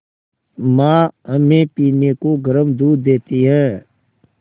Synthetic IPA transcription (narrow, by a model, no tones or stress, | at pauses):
mãːəmẽpiːnekoɡəɾəmd̪uːɾd̪eːt̪iɦɛ̃ː